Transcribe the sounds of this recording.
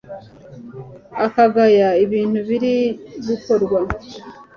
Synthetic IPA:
akaɡajaiβiːn̥huβiɾiβuko̞ɾɡwa

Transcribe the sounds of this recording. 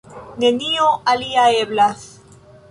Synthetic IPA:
nenioaliaeβlaθ

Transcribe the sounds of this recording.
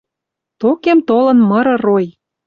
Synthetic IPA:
t̪okemt̪olɤ̆nmɤ̆ɾɤ̆roj

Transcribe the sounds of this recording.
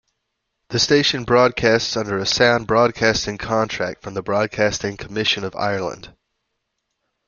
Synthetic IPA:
ðəsteɪʃə̃nbɹɔd̚kʰæˑstsʌ̃ndə˞əsãʊ̃nbɹɔd̚kʰæstɪ̃ŋkʰɑ̃ntʰɹ̥æk̚tfɹə̃mðəbɹɔd̚kʰæstɪ̃ŋkʰəmɪʃə̃nəva̰ɪə˞lˠə̰̃nd̥

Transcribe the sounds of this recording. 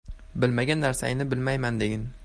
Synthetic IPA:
bɪlmaɡʲanːaɾsa̰jɪnɪbɪlmajmand̪eɡʲɪn

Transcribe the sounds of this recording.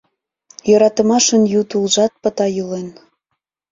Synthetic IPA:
jɤɾɑt̪ə̆mɑʃənjut̪ulʒɑt̪̚pə̆t̪ɑjulen

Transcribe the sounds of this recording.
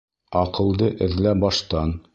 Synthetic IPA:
ɒqɤ̆lˠd̪ɤʔɘ̆ðlæbɒʃt̪ɑn

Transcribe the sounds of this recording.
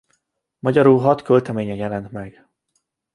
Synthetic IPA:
mɒɟɒɾuːɦɒt̪kølt̪ɛmeːɲɛjɛlɛnt̪mɛɡ

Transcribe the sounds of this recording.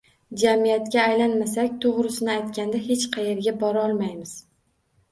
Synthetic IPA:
d͡ʒamijat̪kʲaːjlanmasakʲt̪ʰoʁɾɪsɪnɪajt̪kʲand̪ahe̞t͡ʃqʰɑje̞ɾɡʲabɒɾaɒlˠmajmɪz̥

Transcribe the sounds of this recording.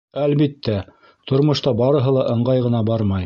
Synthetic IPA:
ælβit̪ːæ | t̪ŏɾmŏʃt̪ɑbɑɾɤ̆ɦɤlˠɑʔɤ̆ɴɢɑjʁɤ̆nɑbɑɾmɑj

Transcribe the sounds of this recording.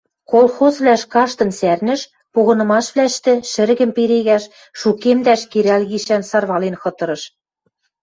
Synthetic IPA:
kolˠxozβlæʃkɑʃt̪ɤ̆nsærnɘ̆ʃ | poɣɤ̆nɤ̆mɑʃβlæʃt̪ɘ̆ʃɘ̆ɾɣɘ̆mpeɾeɣæʃ | ʃukemd̪æʃkeɾælɣiʃænsɑrβɑlenxɤ̆t̪ɤ̆ɾɤ̆ʃ

